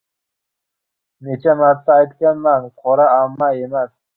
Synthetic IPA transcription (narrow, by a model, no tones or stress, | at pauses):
net͡ʃamaɾt̪ːaːjt̪̚kʲanmanqʰoɾaamːajemas